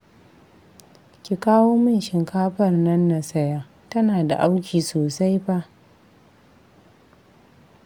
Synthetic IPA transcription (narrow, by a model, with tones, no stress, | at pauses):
kʲi˨kaː˦woː˦mɪ˦˨nʃɪ˨ŋkʰaː˦ɸɐ˦˨rnɐ˦nːa˨sɐ˦jaː˦ | tɐ˦naː˨da̰˨ʔa˦wkʲiː˨soː˨sa˦jɸa˦ʔ